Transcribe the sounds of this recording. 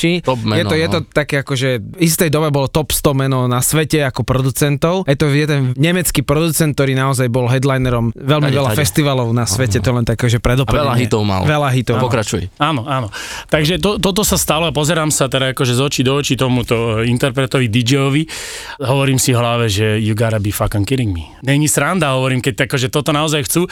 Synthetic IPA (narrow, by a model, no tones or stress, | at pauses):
iɔpmɛjɛɔjɛt̪ɔt̪akɛːakɔʒɛist̪ɛjd̪ɔbɛbɔlɔt̪ɔpst̪ɔmɛnɔnasʋɛcɛakɔpɾɔd̪ut͡sɛnt̪ɔʊjɛt̪ɔjɛd̪ɛnɲɛmɛt͡skiːpɾɔd̪ut͡sɛnt̪̚t̪ɔɾiːnaɔzajbɔlɦɛd̪lajnɛɾɔmʋɛlmiʋɛlafɛst̪iʋalɔʊnasʋɛcɛt̪ɔjɛlɛnt̪akɛːʒɛpɾɛd̪ɔpɛlaɦit̪ɔʊma̰lʋɛlaɦit̪ɔʊpɔkɾat͡ʃujɛ̰aːnɔanɔ | t̪aɡʒɛt̪ɔt̪ɔt̪̬ɔsast̪alɔapɔzɛɾaːmsat̪ɛɾaakɔʒɛzɔt͡ʃid̪ɔɔt͡ʃit̪ɔmut̪ɔint̪ɛɾpɾɛt̪ɔʋid̪id͡ʒɛjɔʋi | ɦɔʋɔɾiːmsivɦlaʋɛʒɛjuɡaɾabifakaŋkiɾiŋɡmi | ɲɛɲisɾand̪aɦɔʋɔɾiːmkɛc̚akɔʒɛt̪ɔt̪ɔnaɔzajxt͡su